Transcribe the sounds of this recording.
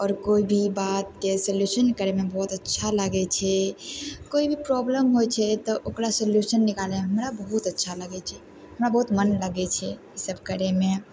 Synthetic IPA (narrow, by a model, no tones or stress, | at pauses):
ɔːɾkoibʱibat̪̚ːesəljuʃənkəɾemebɔut̪ətːʃʰaləɡɛt͡ʃʰɛ | koibʱipɾɔbləmɦojt͡ʃʰɛt̪ɔʔokɾasəljuʃənːikalẽɦəmɾabəɦut̪ətːʃʰaləɡɛt͡ʃʰɛ | ɦəmɾabəɦut̪mənləɡɛt͡ʃʰɛ | isəb̚ʱkəɾeme